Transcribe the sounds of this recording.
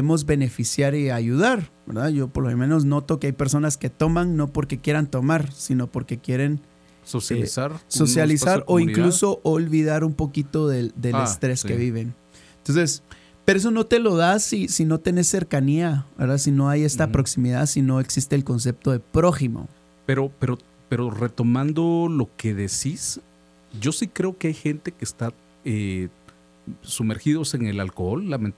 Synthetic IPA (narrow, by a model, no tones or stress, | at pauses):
emo̞zβe̞ne̞fisjaɾiaʝuðaɾbe̞ɾðaʝo̞poɾlomemẽ̞no̞sz̬no̞t̪o̞keajpe̞ɾso̞naske̞t̪o̞maŋno̞po̞ɾke̞kje̞ɾant̪o̞maɾsino̞po̞ɾke̞kje̞ɾe̞n | ɾso̞sjalisaɾo̞iŋkluso̞ʔolβiðaɾumpo̞kit̪o̞ðed̪elest̪ɾe̞skeβiβe̞n | t̪nse̞s | peɾoes̬o̞no̞t̪e̞lo̞ðasisino̞t̪ene̞sːe̞ɾkaniaβe̞̰ɾðasino̞aje̞st̪apɾo̞ksimiðaðsino̞eksist̪eːlko̞ns̬e̞p̚t̪o̞ðe̞pɾo̞ximo̞̰ | peɾo̞peɾo̞ | peɾo̞ret̪o̞mãnd̪olo̞keðesis | ɟ͡ʝo̞sikɾe̞okeajxe̞nt̪e̞keːst̪a | e | sume̞ɾxiðo̞se̞ŋe̞lalkolːamen